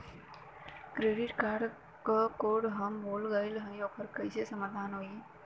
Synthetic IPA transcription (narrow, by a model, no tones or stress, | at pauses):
kɾeɖɪʈkaːɾɖ | kəkoɽɦəmboːlɡəilɦə̃jõpʰəɾkəjsesəmad̪ʱaːnɦoːi